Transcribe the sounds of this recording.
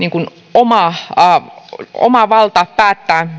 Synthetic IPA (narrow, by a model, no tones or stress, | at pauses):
niːŋkun | omɑˑ | o̰mɑʋɑlt̪ɑppæːt̪ːæː